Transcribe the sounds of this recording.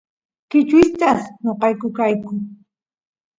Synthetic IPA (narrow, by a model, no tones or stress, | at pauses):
kɪt͡ʃɪst̪aχɲoqɑjkʊkajkʊŋ